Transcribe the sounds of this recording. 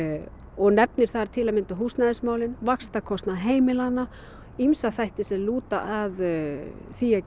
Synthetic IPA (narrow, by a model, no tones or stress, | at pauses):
ɔɣnɛp̚nɪɾ̥θaɾ̥t̪ʰɪlɛmɪnt̪aɦuːsnaðɪsmaːwlɪnvakst̪akʰɔst̪naɦeːjmɪlana | imsaθajht̪ɪsɛmluːt̪a̰ʔað | θia